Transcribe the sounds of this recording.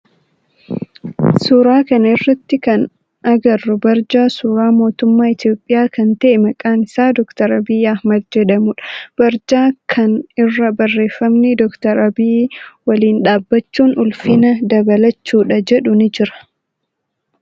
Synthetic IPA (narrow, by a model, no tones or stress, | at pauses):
suːɾaːkɐnɪrːɐt̪ːɪkɐn | ʔɐɡɐrːʊbɐɾd͡ʒaːsuːɾaːmo̞ːt̪ʊmːaːɪt̪jo̞ːpʼːɪjaːkɐnt̪ɐʔɛmɐkʼaːnɪsaːd̪ɔkt̪ɐɾɐbiːɐhmɐd̪d͡ʒɛᶑɐmʊᶑɐ̥b̥ɐɾd͡ʒaːkʰɐnɪrːɐbɐrːe̞ːfːɐmnɪd̪ɔkt̪ɐɾɐbiːwɐliːnᶑaːbːɐt͡ʃːuːnʊlfɪnɐd̪ɐbɐlɐt͡ʃːuːᶑɐd͡ʒɛᶑʊnɪd͡ʒɪɾɐ̥